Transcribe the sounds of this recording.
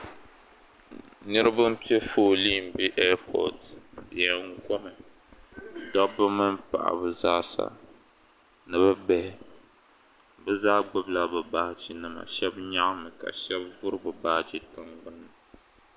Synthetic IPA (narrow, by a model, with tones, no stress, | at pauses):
nɨ˦ɾɨ˦bɨ˦m̩˦pi˦e˦foː˦li˦˨m̩˨bi˦ʔɛ˦pʰɔ̰˨tjɛ˨ŋu˨kɔ˦mɨ˨ | dɔ˦bɨ˦mɨ˦mpa̰˨ʔa̰˨bɨ˨zaː˦sa̰˨ | nɨ˨βɨ˦bɛ˦hɪ˦ | bɨ˦zaː˦ɡ͡bʊ˦bla˨bɨ˨ba˦t͡ʃi˨nɨ˦ma̰˨ʃɛ˦bɲa˦ʔmɨ˨ka̰˨ʃɛ˦bvʊ˦ɾɨ˦bɨ˨baː˦ht͡ʃi˨tɨ˦ŋɡ͡bʊ˦nːɨ˨